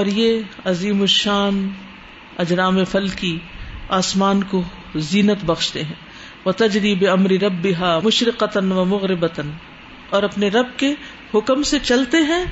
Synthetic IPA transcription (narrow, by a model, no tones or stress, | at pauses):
ɔːɾjeɐziːmʊʃaːn | ɐd͡ʒɾaːmefɐlkiaːsmaːnko | ziːnət̪bɐɣʃt̪eɦɛ̃ː | ʋɐt̪ɐd͡ʒɾiːbɪɐmɾɪɾɐbːɪɦaːmʊʃɾɪqɐt̪ənʋɐmʊɣɾɪbət̪ən | ɔːɾɐpneɾɐb̚ke | hʊkmset͡ʃɐlt̪eɦɛ̃ː